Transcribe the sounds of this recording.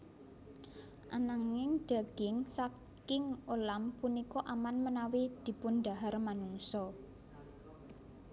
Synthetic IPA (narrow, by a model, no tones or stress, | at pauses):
ʔanaŋɪŋɖ̪̥a̤ɡ̥ɪŋsa | kɪŋolampunikɔʔamanmənawid̪̥i̤pʊnɖ̪a̤ɦarmanuŋsɔ